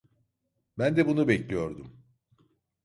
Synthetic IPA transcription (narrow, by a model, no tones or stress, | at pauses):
bænd̪ɛbunubɛclʲijoɾd̪um